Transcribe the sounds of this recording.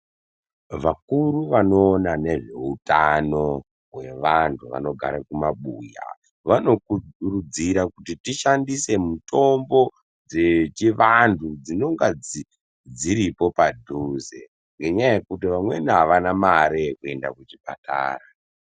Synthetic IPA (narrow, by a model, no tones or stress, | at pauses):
ʋakuɾuʋano̞ːnane̞ʐe̞utano̞ | ɦwe̞ʋantʰuʋa̰no̞ɡʱa̰ɾakumaɓuːja̰ | ʋano̞kuurud͡ziɾakutitiʃandise̞muto̞mbo̞ | d͡ze̞t͡ʃiʋantʰud͡zino̞ŋɡad͡zi | d͡ziɾipo̞padʱuzḛ | ŋɡe̞ɲajekutiʋamwe̞niɦaʋanamaɾekue̞nda̰kut͡ʃipa̰ta̰ːɾa